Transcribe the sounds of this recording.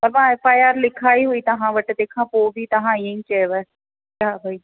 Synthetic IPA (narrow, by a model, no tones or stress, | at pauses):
pɐɾʋãeːfaːjaːɾlɪkʰaːiɦʊit̪ɐɦãʋɐʈd̪eːkʰãpoːbʱit̪ɐɦãiẽŋt͡ʃeʋɛ | kabʱai